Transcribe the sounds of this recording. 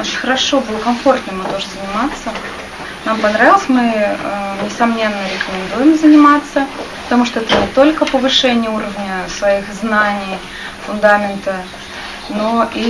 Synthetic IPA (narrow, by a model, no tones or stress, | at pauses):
ot͡ɕɪnʲxəɾɐʂobulʲkɐmfo̞rt̪nɨmɨt̪oʐɨzənʲɪmat̪sːə | nampɐnɾavʲɪlˠəsʲmɨ | nʲɪsɐmnʲe̞nːəɾʲɪkəmʲɪnd̪ujɪmzənʲɪmat̪sːəpə̥t̪ɐmuʂt̪oɛt̪ənʲɪt̪o̞lʲkəpəvɨʂɛnʲɪjəuɾəvnʲəsvɐixznanʲɪj | fʊnd̪amʲɪnt̪ə | noʔi